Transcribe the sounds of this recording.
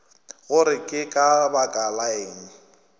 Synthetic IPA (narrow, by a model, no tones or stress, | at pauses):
ɣʊɾɪkʼɪkʼabakʼalaeːŋ̩